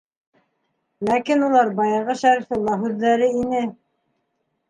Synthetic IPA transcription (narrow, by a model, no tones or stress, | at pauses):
lækinulˠɑɾbɑjɑʁɤʃæɾifŏlˠːɑɦʉðːæɾɘinɘ